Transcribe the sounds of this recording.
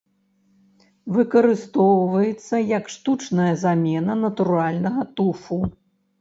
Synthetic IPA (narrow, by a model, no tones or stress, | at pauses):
vɨkɐɾɨst̪ɔwvɐjɛt̪sːɐjɐkʂt̪ut͡ʂnɐjɐzamʲɛnɐnɐt̪uɾalʲnɐɣɐt̪ufu